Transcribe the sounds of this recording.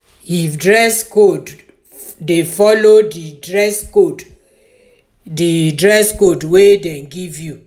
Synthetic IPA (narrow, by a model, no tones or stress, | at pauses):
idɹɛskod | defɔlodidɹɛskod | didɹɛskodwedɛ̃nɡivju